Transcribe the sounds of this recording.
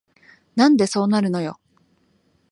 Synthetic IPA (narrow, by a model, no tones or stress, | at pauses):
nãnd̪e̞so̞ːnaɾɯ̟no̞jo̞̰